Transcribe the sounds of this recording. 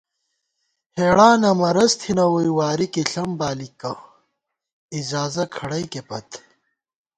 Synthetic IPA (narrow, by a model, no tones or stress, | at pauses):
heːɽaːnɐmɐɾɐzt̪ʰinɐwujwaːɾikiɬɐmbaːlikːɐ | izaːzɐkʰɐɽɐjkepɐt̪ʰ